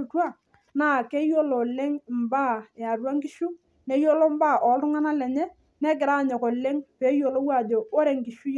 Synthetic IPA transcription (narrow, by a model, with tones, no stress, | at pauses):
twa˦˨ | na˦˨ke˦jo˦lo˨lɛ˦ŋmba˦ɛ˨a˨dwa˦ŋkɪ˦ʃu˦ | nɛ˨˦jo˦lo˦m˦ba˦˨ʔɔ˨˦ltʊ˦ŋa˦na˦lɛ˨ɲɛ˦ | nɛ˦k̬ɪ˨ɾa˦˨ɲɔ˨kɔ˨lɛ˦ŋpe˨˦jo˨lo˦wa˦˨do˨o˦ɾɛ˨ŋki˨ʃu˦j